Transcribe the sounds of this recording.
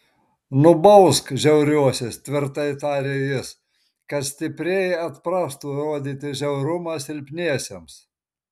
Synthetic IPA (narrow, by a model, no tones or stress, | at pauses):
nʊbɔʊskʒʲɛʊɾʲuɔsʲest̪ʲʋʲɪɾt̪ɐɪt̪ɑːɾʲejɪs | kɐt̪sʲt̪ʲɪpʲɾʲeːjɐt̪pɾɑːst̪uːɾoːd̪ʲiːt̪ʲɪʒʲɛʊɾʊmɐsɪlʲpʲnʲiɛsʲems